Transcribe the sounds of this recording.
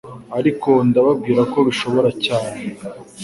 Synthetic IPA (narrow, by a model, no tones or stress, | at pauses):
aɾiko̞ndaβab̚ɡiːɾako̞βiʃo̞βo̞ɾacaːne